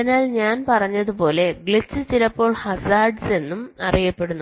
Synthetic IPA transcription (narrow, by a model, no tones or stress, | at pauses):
ɐinaːlɲaːnpɐrɐɲːɐðupo̞ːle̞ɡɭit͡ɕːɨt͡ɕilɐpːo̞ːɭhɐsaːrɖse̞nːumɐrijɐpːe̞ɽunːu